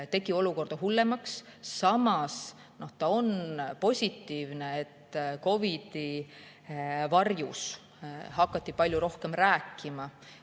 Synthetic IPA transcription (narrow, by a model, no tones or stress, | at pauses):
t̪e̞ɡ̥io̞luko̞rd̪̥ɑɦulːe̞mɑksːɑmɑs | no̞ht̪ɑo̞npo̞sʲit̪ːˑiːvne̞et̪ːko̞vid̪̥i | vɑrjṵs | hɑkːɑt̪ːipɑlʲjuɾo̞hke̞mræːkːˑimɑ